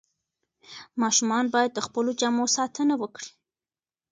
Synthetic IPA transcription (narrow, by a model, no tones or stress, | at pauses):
mɑʃumɑnbɑjad̪̚ːəxpəlod͡ʒamosɑt̪ənawəkɽi̥